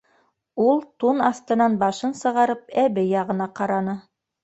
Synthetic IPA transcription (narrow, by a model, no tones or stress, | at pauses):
ulˠt̪unɑst̪ɤ̆nɑnbɑʃɤnsɤ̆ʁɑɾɤpæβɘjɑʁɤ̆nɑqɑɾɑnɤ